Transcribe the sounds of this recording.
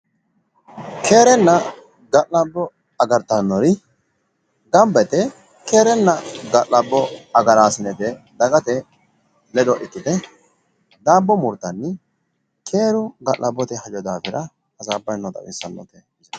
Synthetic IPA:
kʰe̞ːɾɛnːɐ | ɡɐʔɐbːɔ | ɐɡɐɾt̪ːɐnːɔɾɪ | ɡɐmbɛt̪ɛ | ke̞ːɾɛnːɐɡɐʔlɐbːɔɐɡɐɾaːsɪnɛt̪ɛd̪ɐɡɐt̪ɛ | lɛd̪ɔʔɪt̪ːɪt̪ɛ | d̪aːbːɔmʊɾt̪ːɐnːɪ | kʰeːɾʊɡɐlːɐbːɔt̪ɛhɐd͡ʒɔd̪aːfɪɾɐː | zaːbːɐjnːɔd̪ɐ̰wɪ̰sːɐnːɔ̰t̪ɛ

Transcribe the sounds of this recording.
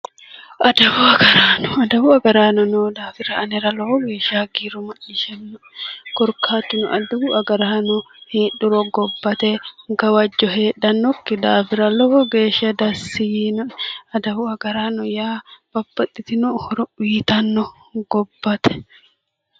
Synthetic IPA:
ʔɐd̪ɐbʊɐɡɐɾaːnɔɐd̪ɐbʊɐɡɐɾaːnɔnod̪aːfɪɾɐʔɐnɛɾɐlɔhɔɡeːʃaːɡiːɾʊmɐʔɪʃɛnː | ɡ̥ɔɾkʰaːt̪ːɪnʊʔɐd̪ɐbʊʔɐɡɐɾaːnɔ | heːɗʊɾɔɡɔbːɐt̪ɛɡɐwɐd͡ʒːɔɦe̞ːɗɐnːɔkːɪd̪aːfɪɾɐlɔhɔɡe̞ːʃɐd̪ɐsːɪjnɐd̪ɐbʊɐɡɐɾaːnɔjaːb̥ɐbːɐt̪ʼːɪt̪ɪnʊhɔɾɔiːt̪ɐnːɔ | ɡɔbːɐt̪ɛ̥

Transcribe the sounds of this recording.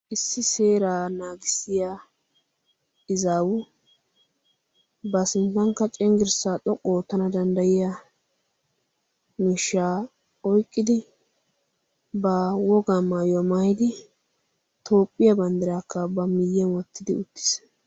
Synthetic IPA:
ʔɪsːɪse̞ːɾaːnaːɡɪsɪjaː | ɪzaːwʊ | bɐsɪnt̪ːɐŋkːɐt͡ʃʼɛŋɡɪɾsaːt̪ʼɔkʼːoːt̪ːɐnɐd̪ɐnd̪ɐjɪja | niʃːaː | ɔjkʼːɪd̪ɪ | bɐwɔɡamːaːjɔmajɪd̪ɪ | t̪o̞ːpʼːɪjɐbɐnd̪ɪɾaːkːɐbɐmɪjːɛnwɔt̪ːɪd̪ɪʊt̪ːɪ̥s

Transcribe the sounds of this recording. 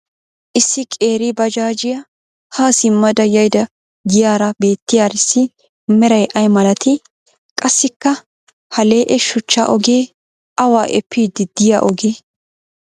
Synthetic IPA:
ʔɪsːɪkʼe̞ːɾɪbɐd͡ʒaːd͡ʒɪjɐ | haːsɪmːɐd̪ɐjɐjd̪ɐ | ɡɪjaːɾɐbe̞ːt̪ːɪjaːɾɪsːɪ | mɛɾɐjʔɐjmɐlɐt̪ɪ | kʼɐsːɪkːɐ | hɐle̞ːʔɛʃʊt͡ʃːa̰ʔɔɡe̞ː | ʔɐwaːʔɛpːiːd̪ɪd̪ɪja̰ːʔɔɡeː

